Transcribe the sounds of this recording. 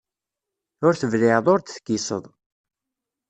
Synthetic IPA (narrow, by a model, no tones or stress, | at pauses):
ʊɾθəvlɪðˤʊɾt̪θkːisə̰ðˤ